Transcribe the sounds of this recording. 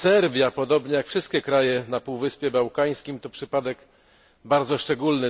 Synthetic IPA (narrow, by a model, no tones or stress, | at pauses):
sɛɾbʲjapɔd̪ɔbɲɛjakfʂɘst̪̚kʲɛkɾajɛnapuwvɘspʲjɛbawkaj̃skʲimt̪ɔpʂɘpad̪ɛk | baɾd̪zɔʂt͡ʂɛɡulnɘ